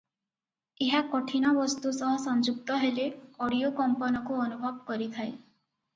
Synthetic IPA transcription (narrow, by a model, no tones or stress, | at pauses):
eɦakɔʈʰinɔbɔst̪usɔɦɔsɔnd͡ʒuk̚t̪ɔɦeleɔɽiokɔmpɔnɔkuɔnubʱɔbkɔɾit̪ʰae